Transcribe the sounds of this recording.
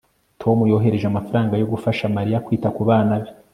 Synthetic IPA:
tʰo̞mujo̞ːɦe̞ɾe̞ʒeamafaɾaːŋɡajo̞ɡufaʃamaɾijakwiːtakuβaːnaβi̥

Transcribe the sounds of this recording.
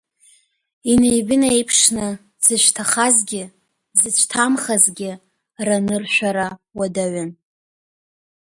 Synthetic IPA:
inejbɪnejpʰʂnɨ | z̥ɨʃʷᶣtʰaχazɡʲɪ | zɨt͡ʃʷʰtʰamχazɡʲɪ | ranɨrʃʷᶣaɾawadaɥan

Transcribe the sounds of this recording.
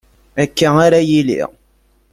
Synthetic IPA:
ækːaaɾajilḭʁ

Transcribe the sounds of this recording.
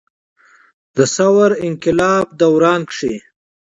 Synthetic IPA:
d̪əsawaɾɪŋkɪlɑːb̚d̪awɾɑːnkʂi

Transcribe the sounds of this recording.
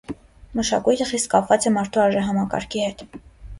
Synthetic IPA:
məʃɑ̰kujt̪ʰəχist̪̚kɑpʰvɑt͡sɛmɑɾt̪ʰuɑɾʒɛɦɑmɑkɑ̰ɾkʰihɛt̪

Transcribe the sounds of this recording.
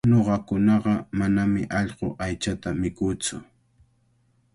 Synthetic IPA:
noɢɑkʊnɑɢɑmanamɪ̰ʔɑʎɢoʔajt͡ʃat̪amɪkuːt͡sʊ̰

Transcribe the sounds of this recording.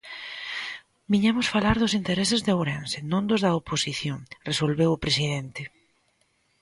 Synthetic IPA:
biɲamʊsfalaɾðʊsint̪eɾesɪzðawɾɛ̃nsɪnõnd̪ʊzðɐoposiθjõŋresolβewʊpɾesiðent̪ɪ

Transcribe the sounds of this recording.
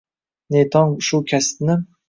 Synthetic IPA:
net̪ʰɒŋʃʊkʲʰast̪nɪ

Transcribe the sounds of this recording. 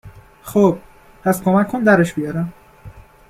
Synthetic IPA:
xob̥̚ | pʰæskʰomækʰːond̪æɾeʃb̥ijɒːɾæm

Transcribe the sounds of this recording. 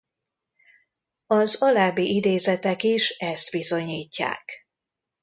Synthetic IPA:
ɒzɒlaːbiʔid̪eːzɛt̪ɛkiʃɛst̪bizo̞ɲiːcːa̰ːk

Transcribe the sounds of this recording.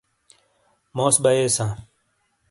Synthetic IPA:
moːsbɐeːsãː

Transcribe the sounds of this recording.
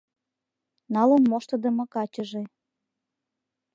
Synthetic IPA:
nɑlə̆nmoʃt̪ɤ̆d̪ə̆mɤ̆kɑt͡ɕəʒe

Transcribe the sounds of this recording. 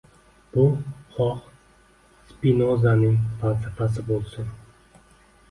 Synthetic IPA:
b̥ʊχɒq | spinozanɪŋbalt̪ʰɪqas̬ɪbolˠsʊn

